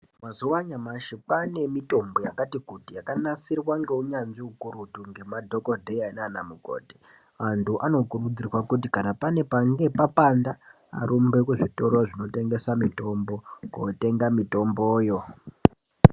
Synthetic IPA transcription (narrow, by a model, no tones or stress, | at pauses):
mazuwaɲamaʃipane̞mito̞mbo̞jakatikutijakanasirwaŋɡe̞uɲanʐiukuɾutuŋɡe̞madʱo̞kodʱe̞ainanamuko̰ːti̥ | antʰuʔano̞kurud͡zirwakut̬ikanapane̞paŋɡe̞papanda̰ː | ɾumbe̞kweʐito̞ɾoʐino̞te̞ŋɡe̞samito̞mbo̞ko̰te̞ŋɡamito̞mboːjo̞